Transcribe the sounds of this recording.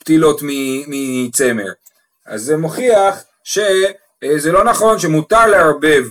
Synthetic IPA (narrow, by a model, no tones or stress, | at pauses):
ptilo̞t̪mimit͡se̞mḛʁ | a̰zːemo̞χiaχ | ʃe | zelo̞naχo̞nʃemut̪aʁleaʁbe̞v